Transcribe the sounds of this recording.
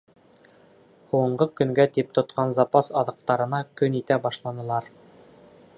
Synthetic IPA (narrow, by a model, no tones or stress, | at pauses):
huɤ̆ɴɢɤkɵ̆ŋɡæt̪ip̚t̪ŏt̪qɑnzɑpɑsɑðɤ̆q̚t̪ɑɾɤ̆nɑkɵnit̪æbɑʃlˠɑnɤ̆lˠɑɾ